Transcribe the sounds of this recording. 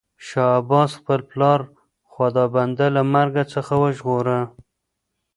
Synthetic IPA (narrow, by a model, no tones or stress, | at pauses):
ʃɑabɑsxpəlplɑɾ | xwad̪ɑband̪alamaɾɡat͡səxawəʒɣoɾə